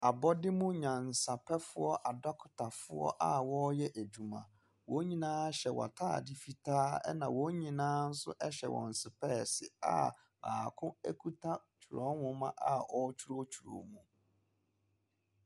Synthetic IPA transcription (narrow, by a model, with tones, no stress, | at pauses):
a˨bɔ˦dɪ˦mʊ̃˦ɲã˨n̩˨sa˨pʰɛ˦fʊ˦ɔ˦ʔa˨da˦kʰʊ̥˨tʰa˨fʊ˦ɔ̰˦ʔa˦wɔ˦jɛ˦ʔæ˨d͡ʑu˨mã̰˨ | wɔ̃˨˦ɲĩ˨nãː˦ɕɛ˨wɔ̰˨tʰa̰ː˦˨dɪ˦fi˨tʰaː˦ɛ˦nã˨wɔ̃˨˦ɲĩ˨nãː˦n̩˦sʊ̰˦ʔɛ˦ɕɛ̰˨wɔ̰̃˨n̩˨sɪ˨pʰɛ˦˨sɪ˨a̰˦˨ | aː˨kʰʊ̃˦æ˦kʰu˦tʰa˦t͡ɕʰu˨ɾɔ˦hʊ̃˦mã˦ʔa˦ɔ˦t͡ɕʰu˦ɾo˦t͡ɕʰu˨ɾo̰˨mũ˨